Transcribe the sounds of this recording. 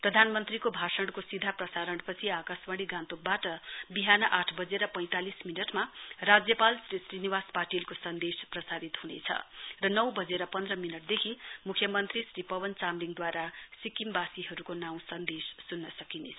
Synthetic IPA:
prʌd̪ʱanmʌnt̪rikobʱasʌɳɽɖkosid̪ʱaprʌsaɾʌɳɖpʌt͡sʰiakaswaɽiɡãnt̪uk̚baʈʌbiɦanʌʔaʈʰbʌd͡zeɾʌpʌ̃j̃t̪alisminʌʈmarad͡zjʌpalsrisriniwaspaʈilkosʌnd̪esprʌsaɾit̪ɦunḛt͡sʰʌ̰rʌnʌwbʌd͡zeɾʌpʌnd̪rʌminʌʈ̚d̪ekʰimukʰjʌmʌnt̪risripʌbʌnt͡samliŋd̪waɾasikimbasiɦʌɾukonaw̃sʌnd̪esːunːʌsʌkine

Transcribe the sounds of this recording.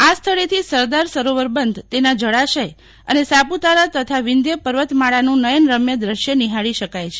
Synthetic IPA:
ast̪ʰəɭet̪ʰisəɾd̪aɾsəɾoʋəɾbənd̪ʱt̪enad͡ʒəɽaʃəj | ənesaput̪aɾat̪ət̪ʰaʋɪnd̪jəpəɾʋət̪maɭanũnəjənɾəmjəd̪ɾəʃjəniɦaɭiʃəkajt͡ʃʰe̥

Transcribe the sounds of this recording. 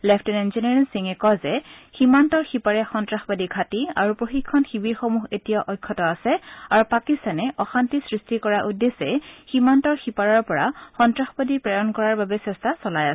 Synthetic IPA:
lɛpʰtɛnɛnzinɛɹinsiŋɛkɔzɛximantɔɹxipaɹɛxɔntɹaxbadikʰatia̰ɹupɹoxikʰːɔnxibiɹxomuɦetijaʔɔjkʰːɔtɔasɛaɹupakistanɛʔɔxantisɹistikɔɹaʔudesɛximantɔɹxipaɹɔɹpɔɹaxɔntɹaxbadipɹajɔnkɔɹaɹbabɛsɛstʰasɔlajasɛ

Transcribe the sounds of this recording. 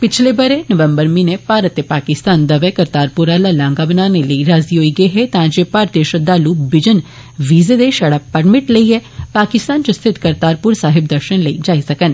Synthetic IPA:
pɪt͡ʃʰlebɐɾenɐʋə̃mbəɾmĩːnẽpaːɾət̪ːepaːkɪst̪aːnd̪ɐʋekɐɾt̪aːɾpʊɾaːlalãːŋɡabənaːneləiɾaːziɦoiːɡɐeɦɛt̪ãːd͡ʒepaːɾt̪eʃəd̪aːlubɪd͡ʒən | ʋiːzed̪eʃɐɽapɐɾmɪʈləiɦɛpaːkɪst̪aːnt͡ʃost̪ʰɪt̪kɐɾt̪aːɾpʊɾsaːɦɪbd̪ɐɾʃənləid͡ʒaːisɐkən

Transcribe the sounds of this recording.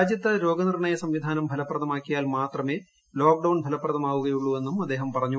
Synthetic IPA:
d͡ʑjɐt̪ːɐɾo̞ːɡɐnirɳɐjɐsɐmʋid̪ʱaːnɐmbʱɐlɐpːrɐðɐmaːkːijaːlmaːt̪rɐme̞ː | loːk̚ɖɐwɳbʱɐlɐpːrɐðɐmaːʋuɣɐjuɭːuʋe̞nːumɐd̪ːe̞ːɦɐmpɐrɐɲːu

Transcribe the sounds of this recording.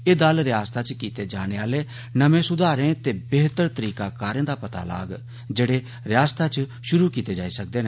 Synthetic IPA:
eːd̪alɾɪjaːst̪at͡ʃkiːt̪eːd͡ʒaːɽ̃eːaːle | nɐmẽsʊd̪ʱaːɾẽt̪eːbeːɦt̪əɾt̪əɾiːkakaːɾẽːd̪aːpɐt̪a̰ːla̰ːɡ | d͡ʒeːɽeː | ɾɪjaːst̪ʰaːt͡ʃʃʊɾuːkiːt̪ed͡ʒaːisək̚d̪eːnẽː

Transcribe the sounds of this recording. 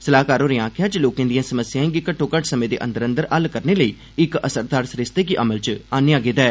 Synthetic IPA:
səlaːkaːɾoːɾɪjãːkʰjaːt͡ʃloːkãːd̪ɪjãːsəməsɪjãːẽŋɡeːkəʈʰːõːkəʈsəmẽːd̪ḛːʔə̰̃nd̪əɾə̃nd̪əɾʔəlkəɾneːləiː | ɪkəsəɾd̪aːɾsɾɪst̪eːk̬iʔəməlt͡ʃaːnːãːɡɪːd̪aɛː

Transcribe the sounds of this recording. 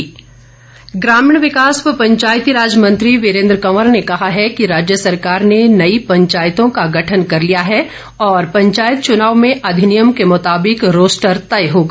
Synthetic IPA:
ɡɾaːmɪɳ̃ʋɪkaːsppɐ̃ɲt͡ʃaːjt̪iɾaːd͡ʒəmə̃nt̪ɾiʋɪɾẽːnd̪ɾəkɐməɾnekɐɦaɦɛkiɾaːd͡ʒjəsɐɾkaːɾnenɐipɐ̃ɲt͡ʃaːjt̪õkaɡɐʈʰənkɐɾlijaɦɛ | ɔːɾpɐ̃ɲt͡ʃaːjət̪̚t͡ʃʊnaːʋmẽʔɐd̪ʱɪnijəmkemʊt̪aːbɪkɾoːsʈəɾt̪ɐjɦoːɡa

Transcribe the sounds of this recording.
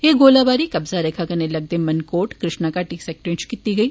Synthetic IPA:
eːɡoːlabaːɾikɐbzaɾeːkʰakɐnelɐɡ̚d̪emɐnkoːʈkɾɪʃnakaʈiksɛːk̚ʈɾẽːt͡ʃkit̪iɡɐiː

